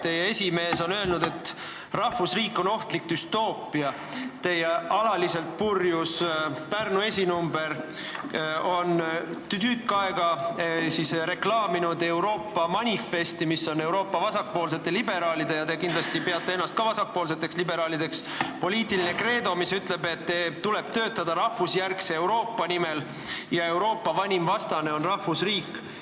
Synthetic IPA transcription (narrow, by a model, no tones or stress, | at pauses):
t̪e̞jee̞sʲime̞ːso̞nø̞lnud̪̥e̞t̪ː | rɑhfusriːkːˑo̞no̞ht̪lik̚d̪̥yst̪o̞ːpːiɑ | t̪e̞jeʔɑlɑlise̞lt̪̚purjuspærnue̞sʲinumbe̞r | o̞nt̪yt̪ykːˑɑeɡ̥ɑsisɾe̞klɑːminud̪e̞uɾo̞ːpːɑmɑnʲifːe̞st̪imisːo̞ne̞wɾo̞ːpːɑvɑsɑk̚po̞ːls̬e̞t̪ːˑe̞libe̞ɾɑːlid̪̥e̞jɑt̪e̞kind̪lɑst̪ipeɑt̪ːˑeenːɑst̪̚kɑvɑsɑk̚poːls̬e̞t̪ːˑe̞kslibe̞ɾɑːlid̪e̞ks | po̞liːt̪ːˑiline̞kre̞ːd̪o̞misyt̪le̞be̞t̪ːet̪ule̞b̥t̪ø̞ːt̪ːˑɑd̪̥ɑɾɑhːusjærkse̞ːwɾo̞ːpːɑnime̞l | jɑe̞wɾo̞ːpːɑvɑnʲimvɑst̪ɑne̞o̞nrɑhːusriːkː